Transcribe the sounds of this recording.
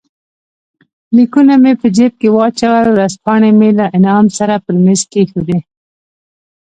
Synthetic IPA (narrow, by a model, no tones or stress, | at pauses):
likunamepəd͡ʒep̚kewɑt͡ʃawalwɾazpɑɳemelaʔɪnɑːmsaɾapəɾmeskexuɾe